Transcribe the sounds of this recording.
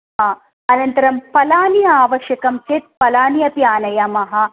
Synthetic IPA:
ɐ | ɐnɐnt̪ɐɾɐmpɐlaːnijɐaːʋɐʃjɐkɐmt͡ʃet̪̚pɐlaːnijɐpiaːnɐjɐmɐɦɐ

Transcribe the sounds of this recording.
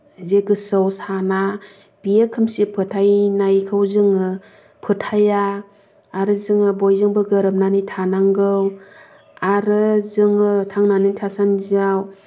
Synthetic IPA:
zeɡɯsɯwsana | b̥iekʰɯmsipʰɯtʰajnajkʰɯwzɯŋɯ | pʰɯtʰajaː | ɾɯzɯŋɯbojzɯŋbɯɡɯɾɯp̚nanitʰanaŋɡɯw | aɾɯzɯŋɯtʰaŋnanitʰasanzaw

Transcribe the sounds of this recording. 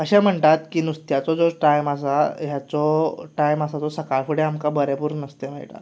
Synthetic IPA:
əɕɛ̃m̤əɳt̪at̪kiːnust̪jat͡sɔd͡zɔʈajmasajat͡sɔʈajməsat͡sɔsəkaɭfuɽeamkabəɾepuːɾnəst̪em̤a̰iʈa̰

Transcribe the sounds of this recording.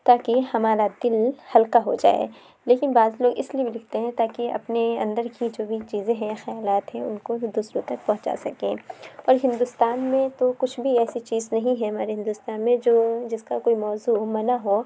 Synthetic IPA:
t̪aːkehɐmaːɾad̪ɪlhɐlkaɦod͡ʒa̰ːḛː | leːkɪnbaːzloːɡɪsliebʱilɪk̚ʰt̪eɦɛ̃t̪aːkiɐ̰pneɐ̰̃nd̪əɾkid͡ʒoːbʱit͡ʃiːzẽɦɛ̃jxɐjaːlaːt̪ɦɛ̃ʊnkod̪ʊsɾut̪ɐk̚pɐɦʊ̃t͡ʃa̰sɐkẽːɔːɾɦɪ̃nd̪ʊst̪aːnmẽt̪okʊt͡ʃʰbʱiɛːsit͡ʃiːznɐɦĩɦɛ̃ɦɐmaːɾeɦɪ̃nd̪ʊst̪aːnmẽd͡ʒoːd͡ʒɪskakoːimɔːzumɐnaɦo

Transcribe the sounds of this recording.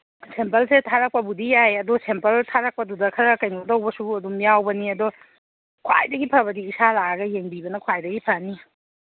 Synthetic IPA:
sempɐlsetʰaɾak̚pɐbudijajɐdɔsempɐltʰaɾak̚pɐdudɐkʰɐɾɐkɐjnɐdɐwbɐsuɐdumijawbɐniɐdɔ | kʰwa̰jdɐɡipʰaɾbɐdiːsalaɡaɡɐjeŋbibɐnɐkʰwajdɐɡipʰani

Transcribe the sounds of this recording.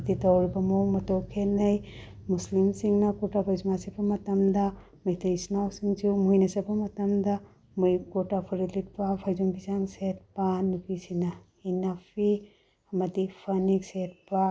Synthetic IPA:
ditawɾibɐmowmɐtowkʰenɐj | muslimsiŋnɐkutapʰajzumasibɐmɐtɐmdɐ | mɐjtʰɐisnawsiŋd͡ʒumujnɐsɐbɐmɐtɐmdɐ | mujkutapʰɐɾilit̚pɐpʰajzumbizaŋset̚panupisinɐ | inapʰi | ɐmɐdipʰɐnikset̚pa

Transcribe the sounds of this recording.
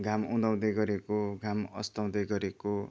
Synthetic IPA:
ɡʱamũd̪ʌw̃d̪ʌjɡʌɾekoɡʱamʌ̰st̪ʌw̃d̪ʌjɡʌɾeko

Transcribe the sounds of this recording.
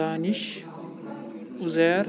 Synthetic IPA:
aːniʃ | uzeːɾ

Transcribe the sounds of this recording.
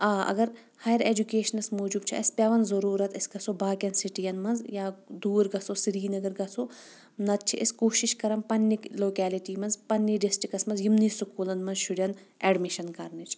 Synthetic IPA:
aːɐ̰ɡɐɾ | hajɐɾeːd͡ʒukeːʃɐnɐsmoːd͡ʒubt͡ʃʰḭɐ̰sʲpʲɐʋɐnzɐɾuːɾɐt̪ɐsɡɐsobaːkʲɐnsiʈijɐnmɐnzjaːd̪uːɾɡɐsosiɾiːnɐɡɐɾɡɐso | nɐt̪̚t͡ʃʰiʔɐskoːʃiʃkɐɾɐmpɐnːikloːkɛːliʈiːmɐnzpɐnːiɖisʈɾikɐsmɐnzjimniːsukuːlɐnmɐnzʃuɽʲjɐn | ɛːɖmiʃɐnkɐɾnit͡ʃʰ

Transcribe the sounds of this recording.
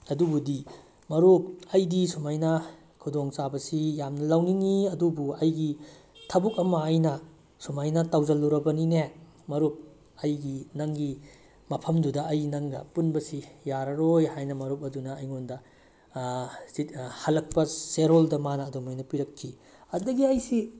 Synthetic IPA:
ɐdubudi | mɐɾuk̚ɐjdisumajnɐ | kʰudoŋsabɐsijamnɐlɐwniŋiɐdubuɐjɡitʰɐbuk̚ɐmɐːjnɐ | sumajnɐtawzɐlːuɾɐbɐnine | mɐɾup̚ | ɐjɡinɐŋɡi | mɐpʰɐmdudɐɐjnɐŋɡɐ̰punbɐsijaɾɐɾojhajnɐmɐɾup̚ɐdunɐːjŋondɐ | sithɐlɐk̚pɐseɾoldɐmanɐːdomajnɐpiɾɐkʰːi | ɐdɐɡiɐjsi

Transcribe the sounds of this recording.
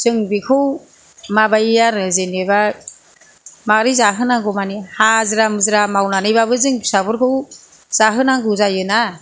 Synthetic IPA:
z̥ɯŋbikʰɯw | mabajjaɾɯzeneba | maɾizaɦɯnaŋɡɔmanihazɯɾamɯzɾamawnanɯjbaβɯzɯŋbisabɯɾkʰɯw | z̥aɦɯnaŋɡɯzajɯna

